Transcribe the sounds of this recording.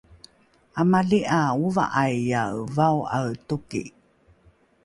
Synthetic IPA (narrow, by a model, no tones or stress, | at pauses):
ʔamaɮiʔauva̰ʔajːavawawtukḭ